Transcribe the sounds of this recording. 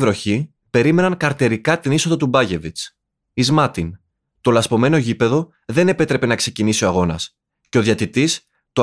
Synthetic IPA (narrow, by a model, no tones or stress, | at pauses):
vɾo̞çi | pe̞ɾime̞nɐŋkɐɾt̪eɾikɐt̪iniso̞ðɐt̪ubɐʝe̞vit͡s | izmɐt̪in | t̪o̞lɐspo̞me̞no̞ʝipe̞ðo̞ | ðe̞ne̞pe̞t̪ɾe̞pe̞nɐkse̞cinisio̞ɐɣo̞nɐ̰s | ce̞o̞ðjɐt̪it̪is | t̪o